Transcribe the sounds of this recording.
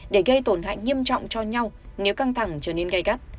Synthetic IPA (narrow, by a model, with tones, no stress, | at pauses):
ɗe˧˩ɣə˧jt̪o˧˩nɦa̰ː˧˨jŋi˧əmt͡ɕɔ̰˧˨wŋ͡mt͡ɕɔ˧ɲa˧wne˨˦wka˧ŋt̪ʰa˧˩ŋt͡ɕəː˧˩ne˧nɣa˧jɣa˦˥t̚